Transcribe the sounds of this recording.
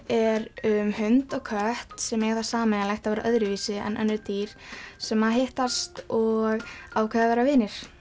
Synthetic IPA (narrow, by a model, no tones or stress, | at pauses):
ɛɾʏmhʏnt̪ɔɣkʰœht̪sɛmjɛɣaθaɾ̥saːmɛalajxt̪avɛːɾaʔœðɾɪviːsɪɛ̰nʔœ̰nːʏt̪iːɾ̥sɛmːaðɦeht̪ast̪ɔɣaːwkʰvɛðavɛːɾavɪːnɪɾ̥